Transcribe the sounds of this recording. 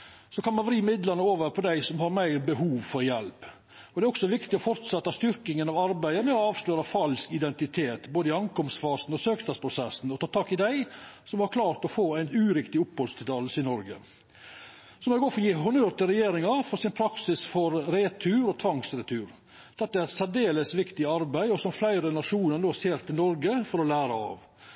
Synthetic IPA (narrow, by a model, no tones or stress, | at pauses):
sɔkʰɑnmɑnʋɾiːmɪd̪lɑnəoːʋəɾpʰɔd̪æɪsɔmhɑɾmæɪɾbəɦuːʋfɔɾjɛlp | ɔd̪ɛæɾɔksɔʋɪkt̪ɪɔfɔɾt̪sɛt̪ːɑst̪ʏɾkɪŋənɑʋɑɾbæɪəmɛɔɑːʋsløːɾɑfɑlskɪd̪ɛnt̪ɪt̪ʰeːt̪boːd̪əɪɑŋkɔmsfɑːsnɔsøːkt̪ʰɑspʰɾʊsɛsn̩ɔt̪ʰɑːt̪ʰɑːkɪd̪æɪsɔmhɑɾkʰlɑːɾt̪ɔfoːæɪnʉːɾɪkt̪ɪʊpːhɔlst̪ʰɪd̪ɑlsɪnɔɾɡə̰ | sɔmɛɡoːfɔɾɔjiɦʊnøːɾt̪əɾɛjeːɾɪŋɑɾfɔɾsɪnpʰɾɑksɪsfɔɾɾeːt̪ʰʉːɾɔt̪ʰʋɑŋsɾɛt̪ʰʉːɾ | d̪̥ɛt̪ːəæɾsæd̪eːləsʋɪkt̪ɪɑɾbæɪɔsɔmflæɪɾənɑʂuːnəɾnoːseːɾt̪ʰɪlnɔɾɡəfɔɾɔlæːɾɑɑ̰ʋ